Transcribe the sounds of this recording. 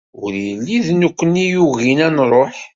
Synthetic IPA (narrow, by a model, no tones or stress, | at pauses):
ʊɾjlːiðnukʷːənijuɣinænrˤoħ